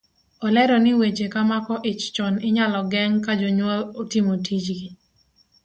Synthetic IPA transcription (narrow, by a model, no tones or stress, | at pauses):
ɔlɛɾɔnɪwed͡ʒekamakɔʔɪt͡ʃt͡ʃɔnɪɲalɔɡɛŋkad͡ʒɔɲwɔlotimotʰid͡ʒɡɪ